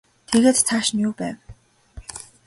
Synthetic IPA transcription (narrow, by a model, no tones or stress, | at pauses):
t̪ʰeɣeːt̪t͡sʰaʃnʲjuːpæːw